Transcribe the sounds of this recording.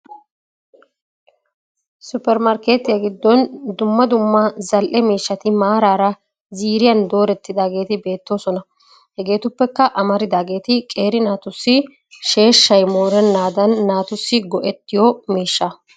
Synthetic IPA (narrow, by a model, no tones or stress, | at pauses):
sʊpːɛɾmɐɾke̞ːt̪ɪjɐɡɪd̪ːɔnd̪ʊmːɐd̪ʊmːɐzɐlʔɛmiːʃːɐt̪ɪmaːɾaːɾɐ | ziːɾɪjɐnd̪o̞ːɾɛt̪ːɪd̪aːɡe̞ːt̪ɪbe̞ːt̪ːo̞ːsɔnɐ | hɛɡe̞ːt̪ʊpːɛkːɐʔɐmɐɾɪd̪aːɡe̞ːt̪ɪkʼeːɾɪnaːt̪ʊsːɪ | ʃe̞ːʃːɐjmo̞ːɾɛnːaːd̪ɐnːaːt̪ʊsːɪɡɔʔɛt̪ːɪjɔmiːʃːɐ